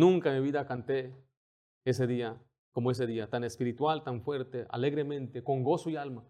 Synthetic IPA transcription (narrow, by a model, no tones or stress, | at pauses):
nũŋkamiβiðakant̪e | ese̞ðia | ko̞moes̬e̞ðiat̪anespiɾit̪walt̪aɱfwe̞ɾt̪eʔa̰le̞ɣɾemẽnt̪e̞ko̞ŋɡo̞soialma